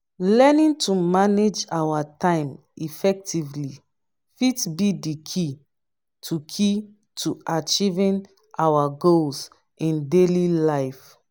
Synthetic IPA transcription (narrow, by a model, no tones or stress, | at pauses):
lɛnĩntʰumaned͡ʒawatãɪ̃m | ifɛk̚tivli | fitbidikʰi | tʰukʰi | tʰuʔat͡ʃivĩn | ʔawaɡols | ĩndelilaɪf